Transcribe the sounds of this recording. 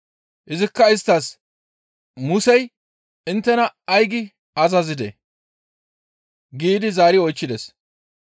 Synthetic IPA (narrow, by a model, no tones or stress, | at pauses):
ʔɪzɪkːɐɪst̪ːas | mʊsɛj | ɪnt̪ːɛnɐːjɡɪ | ɐzɐzɪd̪ḛ | ɡiːd̪ɪzaːɾɪɔjt͡ʃːɪd̪ɛs